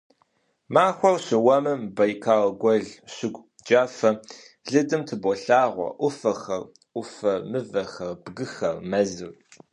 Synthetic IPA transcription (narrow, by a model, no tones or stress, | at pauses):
maːxʷɔrɕɪwɐmɐmbɐjkʰaːʁɐɡʷɔɮɕɪɡʷ | d͡ʒaːfɐ | ɮɨdɨmtʰɨbʷɔɬaːʁʷɔ̰ʔʷʊfɐxɐr | ʔʷʊfɐmɨvɐxɐrb̥ɡɨxɐrmɐzɨr